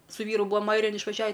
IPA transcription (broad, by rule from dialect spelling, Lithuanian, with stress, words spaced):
sʊ ˈʋʲiːrʊ ˈbuːɐm ˈɐɪrʲɪjɛn ɪʃʋɐˈʒʲæːʋʲɪ